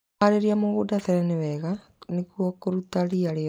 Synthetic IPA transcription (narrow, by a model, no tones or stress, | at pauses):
aɾeɾiamoɣodaθɛɾɛnewɛɣa | nekwɔkoɾutaɾiaɾe